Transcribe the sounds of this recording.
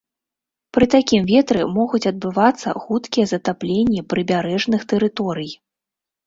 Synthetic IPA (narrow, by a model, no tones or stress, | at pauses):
pɾɨt̪akʲimvʲɛt̪ɾɨmɔɣut͡sʲɐd̪̚bɨvat̪sːɐ̰xut̪kʲijɐzɐt̪aplʲenʲːipɾɨbʲaɾɛʐnɨxt̪ɛɾɨt̪ɔɾɨj